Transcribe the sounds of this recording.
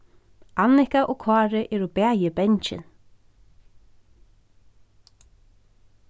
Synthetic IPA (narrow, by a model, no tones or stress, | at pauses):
anɪhkaʔɔkʰɑːɾɪʔɛɾubɛːjɪbɛɲt͡ʃɪ̰n